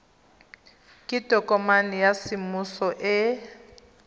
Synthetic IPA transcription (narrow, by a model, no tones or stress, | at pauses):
kʼid̥ʱʼɔkʼɔmanijasimusɔʔɛ